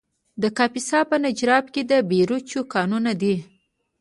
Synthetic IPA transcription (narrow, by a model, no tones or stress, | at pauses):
d̪əkɑpisɑpənad͡ʒɾɑp̚ked̪əbeɾut͡ʃukɑnunad̪i